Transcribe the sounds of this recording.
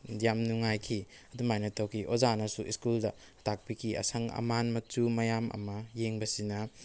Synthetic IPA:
dijamnuŋajkʰi | ɐdumajnɐtʰowkʰiʔozanɐsuiskuldɐ | tʰak̚pikʰiɐ̰sɐŋɐ̰manmɐt͡ʃumɐjamʔɐ̰mɐjeŋbɐsinɐ

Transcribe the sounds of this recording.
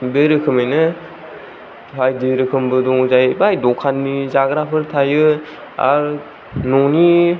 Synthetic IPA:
beɾɯkʰɯmajnɯ | hajdeɾɯkʰɯmbɯdɔŋzajbajdɔkʰanmizaɡɾapʰɯɾtʰajɯ | a̰ɾ | nɔŋni

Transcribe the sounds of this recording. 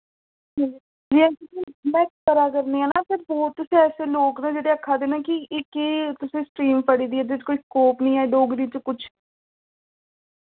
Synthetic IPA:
iː | d͡ʒiːɛ̃kɪt̪iːmɛ̃ːkkəɾaːkəɾneːaːnaːpʰɪɾbɔːt̪ːʊsĩːɛːseːloːknẽːd͡ʒeːɽeːəkʰːaːd̪eːnaːkɪɪkeːt̪ʊsẽːsʈɾiːmpəɽiːd̪iːɛːd̪et͡ʃkoːiːskoːpnĩːaːɖoːɡɾiːt͡ʃkʊt͡ʃʰ

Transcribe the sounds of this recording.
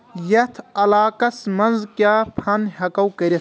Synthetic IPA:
jɐt̪ʰɐlaːkɐsmɐnzkʲaːpʰɐnɦɐkɐwkɐɾit̪ʰ

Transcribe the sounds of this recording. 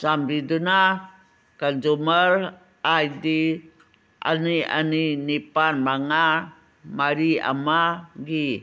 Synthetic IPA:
sambiduna | kand͡ʒuməɾ | ajdi | ʔa̰nia̰ninipanbaŋa | maɾia̰maɡi

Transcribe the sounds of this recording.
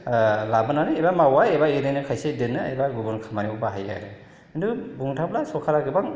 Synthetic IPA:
labɯnanɯebamawaebaeɾɯjnɯkʰajsedɯnːɯḛbaɡubɔnkʰamaniubaɦaja̰ɾɯ | indubuŋtʰap̚lasɔkʰalaɡɯbaŋ

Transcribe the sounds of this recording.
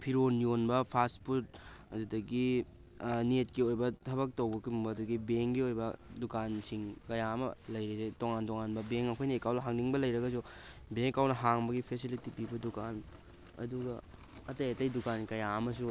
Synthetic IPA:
pʰiɾonjonbɐpʰaspʰuɾt̚ɐdudɐɡi | netkiojbɐtʰɐβɐk̚tɐwbɐkumbɐduɡibeŋɡiojbɐdukansiŋkɐjaɐmɐ̰lɐjɾizetoŋantoŋanbɐbeŋɐkʰojnɐekawlɐɦaŋniŋbɐlɐjɾɐɡɐs̬ubeŋkawnɐɦaŋbɐɡipʰesilitipibɐdukan | ɐ̰duɡɐ | ɐtɐjɐtɐjdukankɐjaɐmɐs̬u

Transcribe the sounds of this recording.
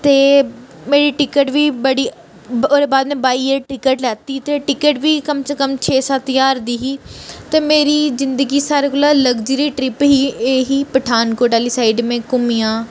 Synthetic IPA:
t̪eːmeːɾiːʈɪkəʈʋiːbəɽiː | oɾeːbaːd̪mɛ̃ːbaːiːeɾʈɪkəʈlɛːt̪iːt̪eːʈɪkəʈʋiːkəmskəmt͡ʃʰeːsaːt̪ɪjaːɾd̪iːɦiːt̪eːmeːɾiːzɪnd̪əɡiːsaːɾekolaːləɡd͡ʒiːɾiːʈɾɪpɦiːeːɦiːpəʈʰaːnkoːɾʈaːliːsaːɪɖmẽːkʊmiːãː

